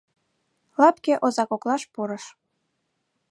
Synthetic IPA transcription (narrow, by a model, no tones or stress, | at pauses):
lɑpkʲeʔozɑkoklˠɑʃpuɾɤ̆ʃ